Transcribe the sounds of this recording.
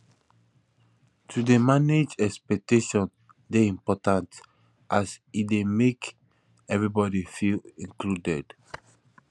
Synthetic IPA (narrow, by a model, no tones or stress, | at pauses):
tʰudemaned͡ʒɛkspɛk̚teʃɔ̃n | deĩmpɔtãnt | ʔasit̚demek | ɛvɹibɔɾifilĩŋkludɛd̥